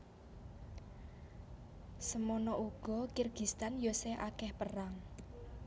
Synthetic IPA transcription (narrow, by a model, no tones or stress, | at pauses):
səmɔnɔʔuɡ̥ɔ̤kirɡ̥i̤st̪anjoseʔakɛhpəraŋ